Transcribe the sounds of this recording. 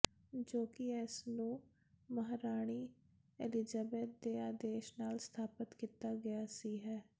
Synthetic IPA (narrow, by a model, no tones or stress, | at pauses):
d͡ʒoːkɪɛːsnũː | məɦɾaːɽ̃iː | ḛːlɪd͡ʒəbeːt̪̚d̪eːaːd̪eːʃnaːlst̪ʰaːpət̪kiːt̪aːɡɪjaːsiːɦɛː